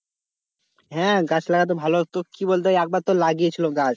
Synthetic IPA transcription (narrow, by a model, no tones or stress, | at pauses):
ɦɛ̃ɡat͡ɕʰlaɡat̪̬obʱalot̪okibolt̪̬eɛk̚baɾt̪olaɡiet͡ɕʰiloɡat͡ɕ